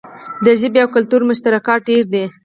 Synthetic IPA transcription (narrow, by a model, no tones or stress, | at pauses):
d̪əʒəbeawkʊlt̪uɾmʊʃt̪aɾakɑɖeɾd̪e